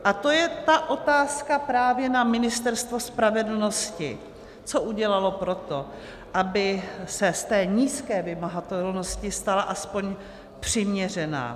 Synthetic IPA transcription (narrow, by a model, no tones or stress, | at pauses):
ʔat̪ojɛt̪aʔo̞t̪aːskapɾaːvjɛnamɪnɪst̪ɛɾst̪vo̞spɾavɛdl̩no̞scɪ̰ | t͡soʔuɟɛlalo̞pɾo̞t̪o̞ | ʔabɪsɛst̪ɛːɲiːskɛːvɪmaɦat̪ɛlno̞scɪst̪alaʔaspo̞ɲ | pr̝̥ɪmɲɛr̝ɛna̰ː